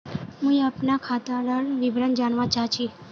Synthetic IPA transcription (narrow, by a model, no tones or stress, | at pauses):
mũiəpnakʰat̪aɽəɽʋibɾənd͡ʒaɳʋãt͡ʃat͡ʃʰi